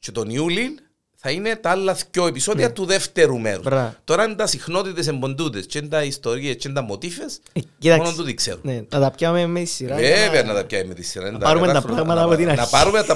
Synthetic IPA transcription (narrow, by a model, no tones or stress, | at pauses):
t͡ʃet̪oniulin | θɐine̞t̪ɐalːɐθco̞episo̞ðiɐt̪uðe̞ft̪eɾumḛɾu̥̰sɾɐt̪o̞ɾɐnd̪ɐsixno̞t̪it̪es̬embo̞nd̪ut̪est͡ʃend̪ɐist̪o̞ɾiest͡ʃend̪ɐmːot̪ifes | cit̪ɐmonont̪uðikseɾunenɐt̪ɐpamemːet̪isːiɾaveveɐnːɐt̪ɐp̚cɐemːet̪isːiɾaint̪ɐɐɾumet̪ɐɾɐɣmɐt̪ɐpot̪inɐnɐpɐɾumet̪ɐ